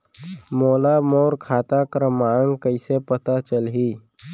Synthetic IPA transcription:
moːlamoːɾkʰaːt̪akɾəmaːŋɡkəɪsepət̪at͡ʃəlɦiː

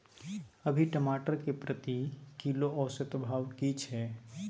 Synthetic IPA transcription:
əbʱiʈəmaːʈəɾkepɾət̪ikiloɔːsət̪bʱaːʋkit͡ʃʰɛ

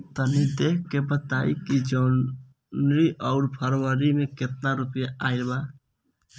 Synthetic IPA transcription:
t̪ənid̪eːkʰkebət̪aːikid͡ʒən | ɾiʔɔʊɾpʰəɾʋəɾimẽkɪt̪̚naɾupjaʔaːɪɾba

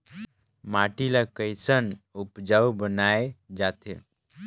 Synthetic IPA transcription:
maʈilakəɪsənupd͡ʒawbənaed͡ʒat̪ḛ

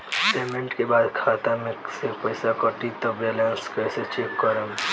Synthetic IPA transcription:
seːmẽɳʈkebaːd̪kʰaːt̪amẽsepəjsakəʈit̪ɔbeːlə̃nskəjset͡ʃekːəɾəm

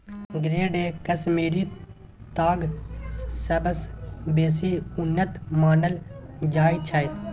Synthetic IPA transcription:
ɡɾeːɖeːkɐsmeːɾi | t̪aːɡ | sɐbəsbeːsiːʊnːət̪maːnəld͡ʒaːit͡ʃʰɐ

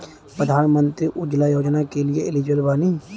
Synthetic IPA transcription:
pɾəd̪ʱaːnmə̃nt̪ɾiʔʊd͡ʒlajoːd͡ʒnakelieɪlɪd͡ʒwəlbaːni

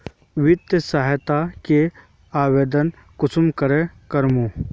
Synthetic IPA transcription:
ʋɪd̪jəsaɦt̪ake | aːweːd̪ən | kʊsʊmkəɾekɐɾmũ

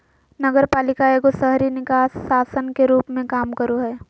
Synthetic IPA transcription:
nɐɡəɾpaːlɪkaeːɡosəɦɾinɪkaːsːaːsənkeɾuːpmẽkaːmkəɾoɦɛː

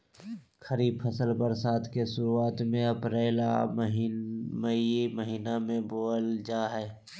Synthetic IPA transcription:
xəɾiːb̚pʰəsəlbəɾsaːt̪ʰkesʊɾuaːt̪mẽɐpɾeːlaɦməməɦiːnamẽboːld͡ʒaːɦɛː

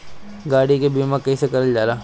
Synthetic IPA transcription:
ɡaːɽikebiːmãkɐɦĩsekɐɾəld͡ʒaːɾaː

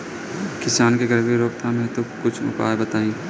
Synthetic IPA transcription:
kɪsaːnkeɡɐɾbeɾoːk̚t̪ʰamẽt̪okʊt͡ʃʰmʊ̰pa̰ːebɐt̪aːĩː

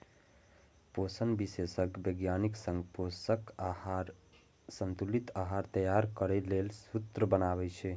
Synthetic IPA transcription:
posənbisesəkbəɡjaniksə̃ŋɡposəkɾ | sənt̪ulit̪aɦaɾt̪əjaɾkəɾɛlelsut̪ɾəbənaβɛt͡ʃʰɛ

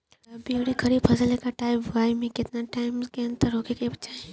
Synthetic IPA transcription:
bioɽikʰɐɾiːbpʰɐsəlekaʈaːɪbʋaːɪmẽkɪt̪naʈaːɪmskeɐ̃nt̪əɾoːkekebɐt͡ʃae

